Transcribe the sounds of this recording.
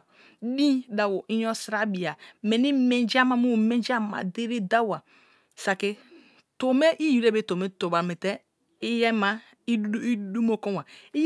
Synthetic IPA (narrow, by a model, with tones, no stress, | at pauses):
dĩ˦da˨wo˨ʔi˦jɔ˦sɾa˦bi˨a˨me˨ni˦me˨nd͡ʒa˦ma˨mu˦˨me˦n˦d͡ʒa˦ma̰˨de˦ɾe˦da˦wa˨ | sa˨ki˦ | to˨me˦ʔi˦ju˨ɾe˦be˦to˨me˦to˨ba˨me˨tɛ˦ | i˦jɛ˦ma˦ | i˦du˦mo˦ko˦wa˨i˦j